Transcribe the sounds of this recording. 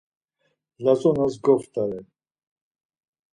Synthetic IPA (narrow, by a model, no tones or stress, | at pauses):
lazɔnasɡɔft̪ʼaɾɛ